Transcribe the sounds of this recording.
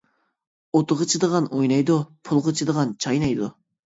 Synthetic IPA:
ot̪ʰʊʁət͡ʃʰɨd̪əʁɑnʔojnɑjd̪upʰʊlˠʁət͡ʃʰɨd̪əʁɑnt͡ʃʰɑjnɑjd̪u

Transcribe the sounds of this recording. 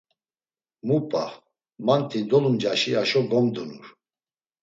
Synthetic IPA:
mupʼa̰ | mant̪ʰid̪ɔlumd͡ʒaʃiaʃɔɡɔmd̪unuɾ

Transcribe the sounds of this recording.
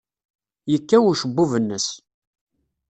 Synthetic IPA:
jəkːæwʊʃəbːuvənːəs

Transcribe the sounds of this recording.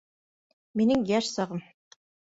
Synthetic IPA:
minɘŋjæʃsɑʁɤm

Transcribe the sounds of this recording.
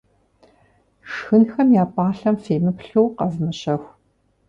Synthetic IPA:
ʂxɨnxɐmjaːpʼaːɬɐmfeːmɨpɬɨwqɐznɐɕɐxʷ

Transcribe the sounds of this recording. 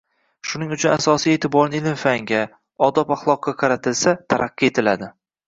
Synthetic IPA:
ʃʊnɪŋʊt͡ʃʰʊnasɒsieːt̪ʰɪbɒɾnɪlɪmfaŋɡʲa | ɒd̪ɒpaχlˠɒq̚ːɑqʰɑɾat̪ʰɪlsat̪ʰa̰ɾʔaqːie̞t̪ʰɪlad̪ɪ

